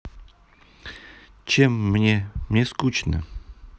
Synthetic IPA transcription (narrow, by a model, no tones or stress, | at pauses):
t͡ɕʰemːnʲemnʲeskut͡ɕnə̰